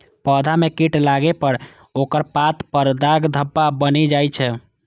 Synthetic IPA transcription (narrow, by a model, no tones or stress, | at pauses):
pəd̪ʱamekiʈlaɡepəɾ | okəɾpat̪pəɾd̪aɡd̪ʱəbːabənid͡ʒajt͡ʃʰɛ